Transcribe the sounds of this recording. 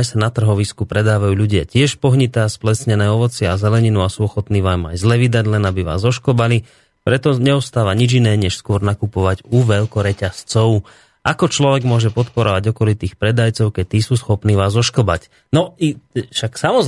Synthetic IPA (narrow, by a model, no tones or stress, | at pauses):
jsanat̪r̩ɦɔʋiskupɾɛd̪aːʋajuːʎuɟɪa̰cɪɛʃpɔɦɲit̪ɛːsplɛsɲɛnɛːɔʋɔt͡sɪazɛlɛɲinuasuːɔxɔt̪niːʋaːma̰jzlɛʋid̪aɟlɛnabiʋa̰ːzɔʃkɔbali | pɾɛt̪ɔɲɛɔst̪aːʋaɲid͡ʒinɛːɲɛʃskʊɔɾnakupɔʋaɟuʋɛʎkɔɾɛcast͡sɔʊ | ʔakɔt͡ʃlɔʋɛɡmʊɔʒɛpɔt̪pɔɾɔʋaɟɔkɔlit̪iːxpɾɛd̪ajt͡sɔʊkɛc̚t̪iːsuːsxɔpniːʋaːzɔʃkɔba̰c | nɔiʃaksamɔ